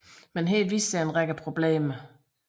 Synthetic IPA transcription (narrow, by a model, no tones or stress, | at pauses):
menɦe̝̰ːlʋiːsd̥æenʁaɡ̥əpʰʁo̝b̥le̝̰ːmə